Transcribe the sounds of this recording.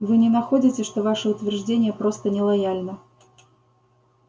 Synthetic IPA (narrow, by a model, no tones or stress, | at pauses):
vɨnʲɪnɐxodʲɪtʲɪʂt̪ovaʂəʊt̪vʲɪrʐdʲenʲɪjəpɾost̪ənʲɪlˠɐjalʲnə